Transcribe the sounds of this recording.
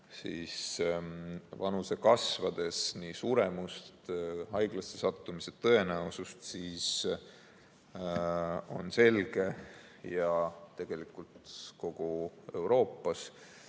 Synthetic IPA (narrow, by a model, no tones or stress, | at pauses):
sḭːs | vɑnuse̞kɑsvɑd̪̥e̞snisuːɾe̞must̪hɑjɡ̥lɑst̪e̞sɑt̪ːˑumiset̪ːɤ̞e̞næusust̪siːs | o̞̰nse̞lɡ̥e̞ | jɑt̪e̞ɡ̥e̞likˑult̪ko̞ɡ̥ue̞̰wɾo̞ːpːˑɑs